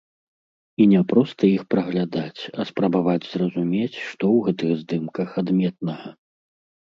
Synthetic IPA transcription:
inʲɛpɾɔst̪ɐixpɾɐɣlʲad̪at͡sʲɐspɾɐbavad͡zʲzrɐzumʲet͡sʲʂt̪ɔwɣɛt̪ɨɣzd̪ɨmkɐxad̪mʲɛt̪̚nɐɣɐ

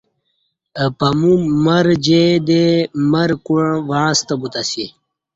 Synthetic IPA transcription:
əpɐmumɐɾd͡ʑed̪emɐɾkuɻ̃ʋãːst̪ɐbut̪asi

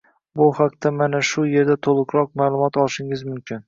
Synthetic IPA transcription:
bʊhaq̚t̪ʰamanaʃʊje̞ɾd̪at̪ʰolˠʊqɾɒq̚maːlˠʊmɒt̪ɒlˠʃɪŋɪzmʊmkʲʰɪn

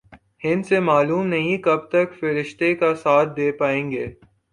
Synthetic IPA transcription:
hɪ̃nsemaːluːmnɐɦĩkɐb̚t̪ɐkfɪɾɪʃt̪ekasaːt̪̚ʰd̪eːpaːẽːŋɡeː

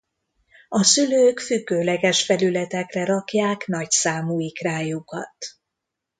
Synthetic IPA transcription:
ɒsyløːkfyɡːøːlɛɡɛʃfɛlylɛt̪ɛkrɛɾɒkjaːknɒcsaːmuːikraːjukɒ̰t̪

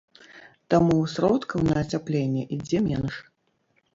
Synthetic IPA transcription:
t̪amusɾɔt̪kɐwnɐːt͡sʲaplʲenʲːɛʔid͡zʲɛmʲɛnʂ

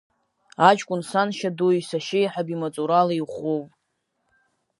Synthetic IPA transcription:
at͡ʃʼkʷʼʊnsanʃaduisaʃejħabimat͡sʼuɾalaiχʷowpʼ

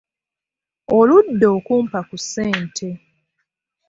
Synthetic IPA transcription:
oludːo̞ːkuːmpakusːeːntʰe̞

